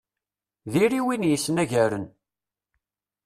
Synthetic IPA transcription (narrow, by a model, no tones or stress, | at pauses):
ðiɾiwinjisːənæʝæɾə̰n